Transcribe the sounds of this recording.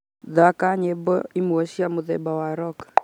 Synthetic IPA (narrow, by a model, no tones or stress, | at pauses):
ðakaɲɛbɔ̰imuɔʃiamuðɛ̰bawaɾɔkḁ